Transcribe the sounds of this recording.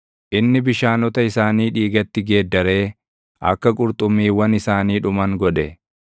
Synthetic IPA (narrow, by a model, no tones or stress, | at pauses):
ʔɪnːɪbɪʃaːnɔt̪ɐɪsaːniːᶑiːɡɐt̪ːɪɡe̞ːd̪ːɐɾe̞ː | ʔɐ̰kːɐkʼʊɾt̪ʼʊmːiːwɐnɪsaːniːᶑʊmɐŋɡɔᶑɛ